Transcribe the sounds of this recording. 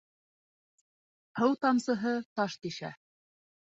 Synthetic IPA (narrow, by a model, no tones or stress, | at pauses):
hɤwt̪ɑmsɤ̆ɦɤt̪ɑʃt̪iʃæ̰